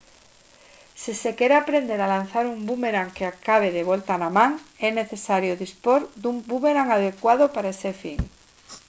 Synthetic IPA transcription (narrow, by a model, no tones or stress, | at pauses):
sise̞kje̞ɾeapɾe̞nd̪e̞ɾalan̟θaɾumbume̞ɾaŋkeakaβ̞eðe̞β̞o̞lt̪anamãŋene̞θe̞saɾjoðispo̞ɾd̪umbume̞ɾaŋaðe̞kwaðopaɾaesefiŋ